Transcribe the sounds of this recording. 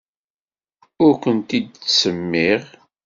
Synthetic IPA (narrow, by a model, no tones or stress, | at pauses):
ʊɾkʷənt̪id̪səmːiʁ